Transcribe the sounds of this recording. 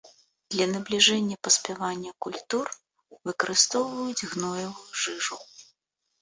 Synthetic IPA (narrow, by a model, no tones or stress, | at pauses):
d̪̥lʲɐnɐblʲiʐɛnʲːɐpɐsʲpʲɛvanʲːɐkulʲt̪ur | vɨkɐɾɨst̪ɔwvɐjud͡zʲɣnɔjɐvujuʐɨʐu